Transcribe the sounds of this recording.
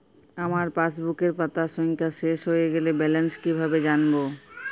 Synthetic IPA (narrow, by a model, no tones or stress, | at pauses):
amaɾpasbukeɾpat̪aʃɔŋkʰaʃeʃɦojeɡelebɛlenskibʱabed͡ʑanbo